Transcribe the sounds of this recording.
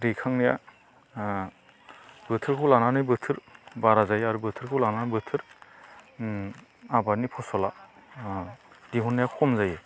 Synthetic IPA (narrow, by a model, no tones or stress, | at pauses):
ɾikʰaŋnija̰ | bɯtʰɯɾkʰɯwlananɯjbɯtʰɯɾbaɾazajaɾubɯtʰɯɾkʰɯwlananɯbɯtʰɯɾ | abaɾnipʰɔsɔla | diɦɔnːajakʰɔmzaje